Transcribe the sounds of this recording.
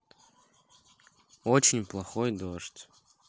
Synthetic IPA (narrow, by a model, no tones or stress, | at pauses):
ot͡ɕɪnʲplˠɐxojd̪oʂtʲ